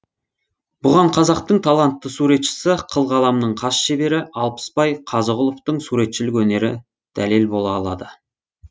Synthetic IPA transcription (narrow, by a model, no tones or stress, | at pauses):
b̥ʊʁɑɴqʰɑzɑqt̪əɴt̪ʰɑlˠɑnt̪ːəsuɾe̞t̪ʃɪ̥sɪqʰəlˠʁɑlˠɑmnəɴqʰɑsʃe̞be̞ɾɪʔɑlˠpə̥spɑjqʰɑzəʁʊlˠoft̪əɴsuɾe̞t̪ʃɪlɪkwɵne̞ɾɪ̰ | d̪̥ælelbo̞lˠɑɑlˠɑ̰d̪ə